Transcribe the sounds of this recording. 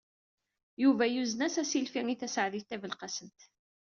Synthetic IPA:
juvæjuznæsæsilfiŋiθæsʕðiθt̪ːævəlqɑsənt̪

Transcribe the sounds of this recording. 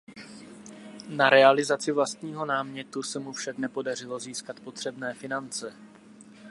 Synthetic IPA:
naɾɛalɪzat͡sɪvlast̪ɲiːɦo̞naːmɲɛt̪usɛmufʃaknɛpo̞dar̝ɪlo̞ziːskat̪po̞t̪r̝̥ɛbnɛːfɪnant͡sɛ

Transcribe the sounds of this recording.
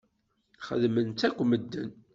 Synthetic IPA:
χə̰ðmənt̪ækʷːməd̪ːən

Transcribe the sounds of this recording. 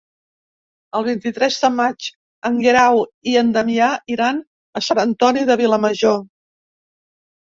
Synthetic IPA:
əlˠβ̞int̪it̪ɾɛzðəmat͡ʃ | əŋɡeɾawiənd̪əmiaʔiɾan | əsanənt̪ɔniðəβ̞iləməʒo

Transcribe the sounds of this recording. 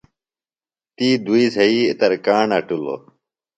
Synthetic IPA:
t̪iːd̪ʱuiːsɐiːɪt̪ɐɾkaːɳɐʈulo̰ː

